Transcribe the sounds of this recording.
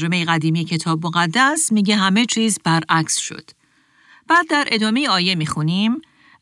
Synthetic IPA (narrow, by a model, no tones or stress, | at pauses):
d͡ʒo̞me̞jeɣæd̪iːmijecʰe̞t̪ʰɒːbmoɣæd̪ːæsmiːɟeɦæme̞t͡ʃʰiːzbæɾʔæcʰsʃo̰d̪̥ | b̥æːd̪ːæɾʔe̞d̪ɒːme̞jeɒːje̞miːxunim